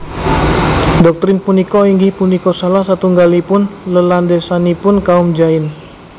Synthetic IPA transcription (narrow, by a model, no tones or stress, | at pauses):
dɔk̚t̪ɾɪnpunikɔiŋɡihpunikɔsalahsat̪uŋɡalipʊnləlandesanipʊnkaumd͡ʒaɪn